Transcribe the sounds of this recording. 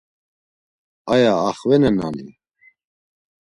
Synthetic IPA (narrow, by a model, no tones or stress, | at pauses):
ajaːχvɛnɛna̰nḭ